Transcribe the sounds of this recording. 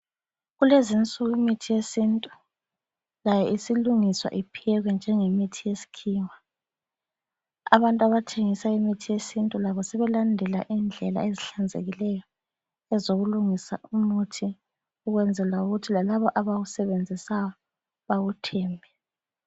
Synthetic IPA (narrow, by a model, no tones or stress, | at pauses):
ɣulezint͡sʼuɣimitʰijesintʼu | lajɛisiluŋiswa̰ʔipʰijɛɣwɛnd͡ʒʱɛŋemitʰijesi̥kʰiːŋa | a̰βantʼaβatʰeŋisaimitʰijesintʼulaβɔsɛβɛlandʱɛla̰ʔind͡ɮʱɛla̰eziɬand͡zʱḛɣilɛjɔ | ɛzoɣuluŋisa̰umutʰi | uɣwɛnd͡zʱɛlauɣutʰilalaβɔʔaβaɣusɛβend͡zʱisajɔ | βaɣutʰɛːmbʱɛ